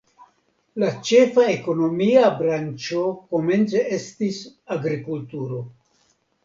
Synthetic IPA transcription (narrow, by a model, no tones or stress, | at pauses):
lat͡ʃe̞fae̞ko̞no̞miabɾant͡ʃo̞ko̞me̞nt͡see̞stisaɡɾikultuɾo̞